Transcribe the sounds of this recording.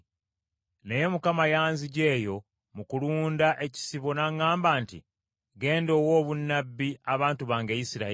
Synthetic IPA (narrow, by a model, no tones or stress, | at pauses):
ne̞je̞mukamajaːnziɟe̞ːjo̞ | mukuluːndaʔe̞ci̥siβo̞naŋːaːmbaːntḭ | ɡe̞ːndo̞ːwo̞ːβunːabːiaβaːntuβaːŋɡe̞ːjisiɾa